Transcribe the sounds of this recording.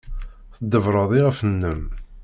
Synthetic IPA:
θəd̪ːəvɾˤɑðˤiʁəfənːəm

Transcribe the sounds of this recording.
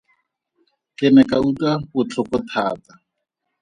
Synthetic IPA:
kɪnɛkʼautapʊt͡ɬʰʊkʊtʰaːta

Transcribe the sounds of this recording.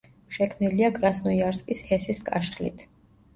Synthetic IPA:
ʃɛkʰmniliaɡɾasnɔiaɾskʼishɛsiskʼa̰ʃχlḭt̪ʰ

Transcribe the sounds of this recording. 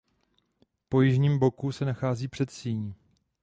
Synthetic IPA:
po̞jɪʒɲiːmbo̞kusɛnaxaːziːpr̥ɛt̪siːɲi

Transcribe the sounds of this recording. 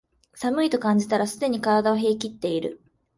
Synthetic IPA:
samɯ̟it̪o̞kãɲ̟d͡ʑit̪aɾasɨd̪e̞ɲ̟ikaɾad̪aoɦe̞ːkʲit̪ːe̞iɾɯ̟

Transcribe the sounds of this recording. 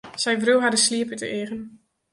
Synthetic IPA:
sɛjvruwɦadəsliəpətə̰ʔeːʁən

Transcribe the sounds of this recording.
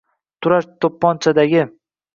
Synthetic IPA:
t̪ʰʊɾaʃt̪ʰopːɒnt͡ʃʰad̪aɡʲɪ

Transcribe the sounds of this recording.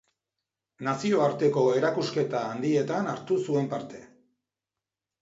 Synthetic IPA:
nasio̞aɾt̪e̞ko̞e̞ɾakuske̞t̪aːnd̪ie̞t̪anaɾt̪usue̞mpaɾt̪e̞

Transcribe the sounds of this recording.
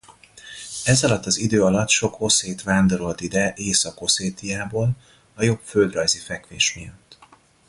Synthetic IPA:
ɛzɒlɒt̪ːɒzid̪øːɒlɒt̪ʃo̞kʰo̞seːt̪ʋaːnd̪o̞ɾo̞lt̪id̪ɛʔeːsɒko̞seːt̪ijaːboːl | ɒjo̞pføld̪rɒjzifɛkʋḛːʃmijɒt̪ː

